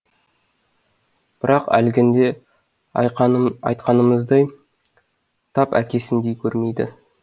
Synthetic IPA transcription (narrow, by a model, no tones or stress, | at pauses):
b̥ɪɾɑqæ̰lɡʲɪnd̪e̞ | ɑ̰jt̪̚qɑnəməzd̪ɑj | t̪ʰɑpæ̰kʲe̞sɪnd̪e̞jkʲʰɵɾme̞jd̪ɪ̰